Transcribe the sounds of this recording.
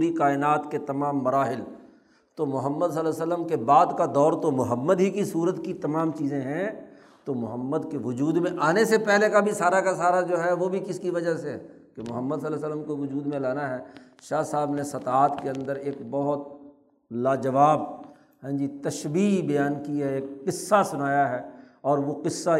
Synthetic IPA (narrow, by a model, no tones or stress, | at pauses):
ɾikaːɪnaːt̪ket̪ɐmaːmːɐɾaːɦɪl | t̪omʊɦəmːəd̪s̬əlːɛsələmkebaːd̪kad̪ɔːɾt̪omʊɦəmːəd̪ɦikisuːɾət̪kit̪ɐmaːmt͡ʃiːzẽɦɛ̃ | t̪omʊɦəmːəd̪keʋʊd͡ʒuːd̪mẽʔaːnesepɛɦlekabʱisaːɾakasaːɾad͡ʒoːɦɛʋobʱikɪskiʋɐd͡ʒaseɦɛ | kemʊɦəmːəd̪s̬əlɛsəlːəmkoʋʊd͡ʒuːd̪mẽlaːnaɦɛː | ʃaːɦsaːbnesɐt̪aːt̪keɐ̃nd̪əɾeːk̚bɐɦʊt̪̚ | laːd͡ʒɐʋaːb̚ | ɦɛ̃ːd͡ʒit̪ɐʃbiːkbɐjaːnkiɦɛeːkqɪsːasʊnaːjaɦɛːɔːɾʋoqɪsːa